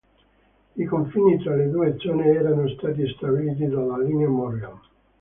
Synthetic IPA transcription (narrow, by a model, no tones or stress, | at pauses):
ikoɱfiːnit̪ɾaled̪uːed̪zɔːneɛːɾanost̪aːt̪̬ist̪abiliːt̪̬id̪alalineamoɾea